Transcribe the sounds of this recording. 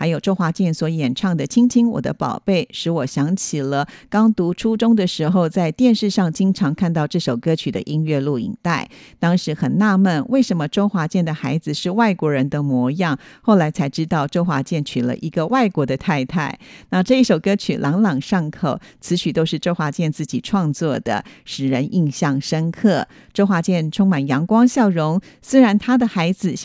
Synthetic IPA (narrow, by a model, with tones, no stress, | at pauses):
a˧˥ɪjo˨˩ʊʈ͡ʂo˥ʊxwa˧˥t͡ɕjɛ˥˩nswɔ˧˥jɛ˨˩nʈ͡ʂʰɑ˥˩ŋd̪ə˨t͡ɕʰi˥ŋt͡ɕʰi˥ŋwɔ̰˨˩d̪ə̰˦pɑ̰˨˩ʊpe˥˩ɪʂɻ̩˧˥wɔ˨˩ɕjɑ˧˥ŋt͡ɕʰi˨˩lə˦kɑ˥ŋt̪u˧˥ʈ͡ʂʰu˥ʈ͡ʂʊ˥ŋd̪ə˨ʂɻ̩˧˥xo˥˧ʊt͡sa˥˧ɪt̪jɛ˥˧nʂɻ̩˥˧ʂɑ˥˩ŋt͡ɕi˥ŋʈ͡ʂʰɑ˧˥ŋkʰa˥˧nt̪ɑ˥˧ʊʈ͡ʂɤ˥˩ʂo˨˩ʊkɤ˥t͡ɕʰy˨˩d̪ə̰˦ʔi˥nɥɛ˥˧lu˥˩ḭ˨˩ŋt̪a˥˩ɪ | t̪ɑ˥ŋʂɻ̩˧˥xə˨˩nna˥˧mə˥˩nwe˥˩ɪʂə˧˥nmə˧ʈ͡ʂo˥ʊxwa˧˥t͡ɕjɛ˥˩nd̪ə˩xa˧˥ɪd͡zɹ̩˧ʂɻ̩˥˧wa˥˩ɪkwɔ˧˥ɻə˧˥nd̪ə˧mwɔ˧˥jɑ˥˩ŋxo˥˩ʊla˧˥ɪt͡sʰa˧˥ɪʈ͡ʂɻ̩˥t̪ɑ˥˩ʊʈ͡ʂo˥ʊxwa̰˧˥t͡ɕjɛ˥˩nt͡ɕʰy˨˩lə̰˧˦ʔi˧˥ɡə˧wa˥˩ɪkwɔ˧˥d̪ə˧t̪ʰa˥˧ɪt̪ʰa˥˩ɪna˥˧ʈ͡ʂɤ˥˧i˥˩ʂo˨˩ʊkɤ˥t͡ɕʰy̰˨˩lʔɑ˧˥ŋlɑ˨˩ŋʂɑ˥˩ŋkʰo˨˩ʊt͡sʰɹ̩˧˥t͡ɕʰy˨˩t̪o˥ʊʂɻ̩˥˩˧ʈ͡ʂo˥ʊxwa˧˥t͡ɕjɛ˥˧nt͡sɹ̩˥˩t͡ɕi˨˩ʈ͡ʂʰwɑ˥˧ŋt͡swɔ˥˩d̪ə̰˩ʂɻ̩˨˩ɻə˧˥nʔi˥˧ŋɕjɑ˥˩ŋʂə˥nkʰɤ˥˩ | ʈ͡ʂo˥ʊxwa˧˥t͡ɕjɛ˥˩nʈ͡ʂʰʊ˥ŋma˨˩njɑ˧˥ŋkwɑ˥ŋɕjɑ˥˩ʊɻʊ˧˥ŋswe˥ɻa˧˥nt̪ʰa˥d̪ə˨xa˧˥ɪd͡zɹ̩˧